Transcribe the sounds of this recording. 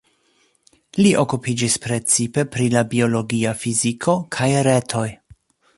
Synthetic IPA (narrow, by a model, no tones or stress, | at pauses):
liʔo̞kupid͡ʒispɾe̞t͡sipe̞pɾilabio̞lo̞ɡiafizikʰo̞kʰajɾetʰo̞j